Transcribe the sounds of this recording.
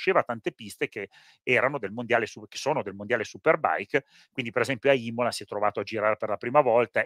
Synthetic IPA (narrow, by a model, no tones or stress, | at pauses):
t͡ʃːeːvat̪ant̪epist̪eke | ɛːɾanod̪elmond̪jaːlesuke̥soːnod̪elmond̪jaːlesuperba̰jk | kːwind̪ipeɾezɛmpjoaiːmolasiɛt̪ːɾovaːt̪oad͡ʒiɾaːɾeperlapɾiːmavɔlt̪a